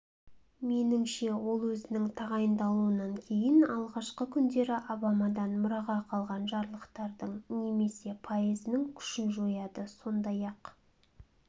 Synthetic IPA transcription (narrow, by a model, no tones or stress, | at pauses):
me̞nɪŋʃe̞wo̞lˠwɵzɪnɪŋt̪ʰɑʁɑjənd̪ɑlˠuwənɑŋkʲʰe̞jɪnɑlˠʁɑʃqəkʲʰʏnd̪e̞ɾɪʔobɑmɑd̪ɑnmʊɾɑʁɑqʰɑlˠʁɑnʒɑɾlˠəqt̪ɑɾd̪əɴne̞me̞se̞pʰojezɪnɪŋkʲʰʏ̥ʃɪnʒo̞jɑd̪əso̞nd̪ɑjɑq